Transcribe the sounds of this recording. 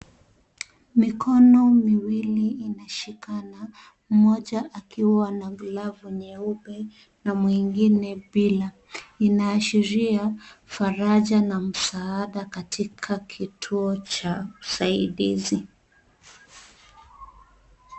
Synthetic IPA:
mikʰɔnɔmiwiliːnaʃikana | m̩mɔʄaʔakʰiwanaɡlavuɲɛuɓɛ | namwiŋɡinɛɓila | inaːʃiɾiafaɾaʄanam̩saaɗakatʰikʰakʰitʰuɔt͡ʃausaiɗḭzi

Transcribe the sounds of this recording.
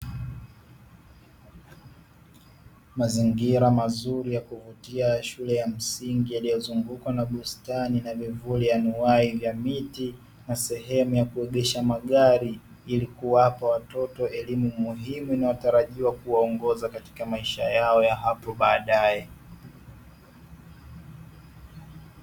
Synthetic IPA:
maziŋɡiɾamazuɾijakuvutiaʃulɛjam̩siŋɡijalijɔzuŋɡukwanaɓustaninavivulijanuaivjamiti | nasɛɦɛmujakuɛɠɛʃamaɠaɾi | ilikuwapawatɔtɔɛlimumuɦimuinajɔtaɾaʄiwakuwaɔŋɡɔzakati̥kamaiʃajaɔjaɦapɔɓaːɗajɛ

